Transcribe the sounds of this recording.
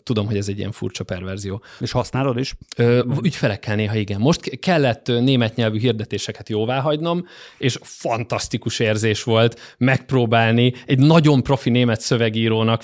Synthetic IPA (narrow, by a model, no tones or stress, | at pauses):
t̪ud̪o̞mɦoɟɛzɛɟːḭɛ̰ɱfṵrt͡ʃɒpɛrvɛrzijoːeʃhɒsnaːlod̪iʃøːycfɛlɛkːɛlneːɦɒiɡɛmːo̞ʃt̪kɛlːɛt̪ːneːmɛt̪ɲɛlvyɦird̪ɛt̪eːʃɛkɛt̪joːvaːɦɒɟno̞meːʃfɒnt̪ɒst̪ikuʃeːrzeːʃʋo̞lt̪mɛk̚proːbaːlniɛɟnɒɟo̞mpro̞fineːmɛt̪sø̞vɛɡiːɾoːnɒk